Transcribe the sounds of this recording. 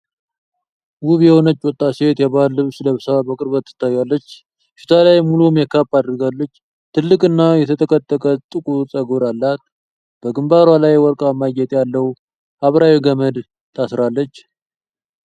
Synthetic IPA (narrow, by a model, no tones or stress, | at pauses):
wuβjɛho̞nət͡ʃːwɔt̪ʼːase̞t̪jɛβalːɨβsləβsabəkʼɨɾβət̪ːɨ̥t̪ʰːajalːət͡ʃː | ʃi̥t̪ʰalajmːulumjɛkʰapʼːad̪ɾɡalːət͡ʃː | t̪ʰɨlːɨkʼɨnːajɛt̪ʰət̪ʰəkʼət̪ʼːəkʼət̪ʼɨkʼusʼəɡoɾalːat̪ | b̥əɡɨmbaɾwalajwɔɾkʼamaɡɛt̪ʼjalːəwu | aβɾawiɡəməd̪ | t̪ʰasɾalːət͡ʃː